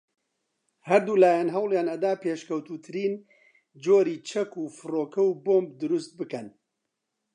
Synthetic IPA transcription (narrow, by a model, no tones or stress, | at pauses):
hɐɾd̪uːlaːjanɦɐwljaːnɐd̪aːpʰeːʃkʰɐwt̪uːt̪ʰɨɾiːn | d͡ʒoːɾiːt͡ʃʰɐkuːfɨroːkɐwboːmb̚d̪ɨɾust̪̚bɨkɐn